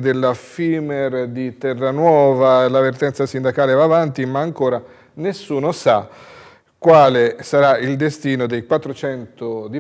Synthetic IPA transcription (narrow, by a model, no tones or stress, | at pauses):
d̪elːafimerd̪it̪ɛrːanwɔːvalavert̪ɛnt̪sasind̪akaːlevaːvant̪imaːŋkoːɾa | nesːuːnosa | kːwaːlesaɾaild̪est̪iːnod̪ejkwat̪ːɾot͡ʃɛnt̪od̪i